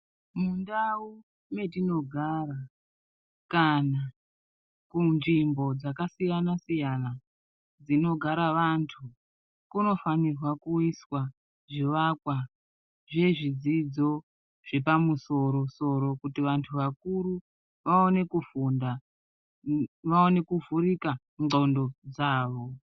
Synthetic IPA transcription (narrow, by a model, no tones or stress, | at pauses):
mundau | me̞tino̞ɡʱara | kana | kunʐimbo̞d͡zakasijanasijana | d͡zino̞ɡʱaɾaʋantʰu | kuno̞fanirwakuiswa | ʐiʋakwa | ʐe̞ʐid͡zid͡zo̞ | ʐ̥e̞pamuso̞ɾo̞so̞ɾo̞kutiʋantʰuʋakuɾu | ʋaone̞kufunda | ʋaone̞kuvurika | ŋondo̞d͡zaːʋo̞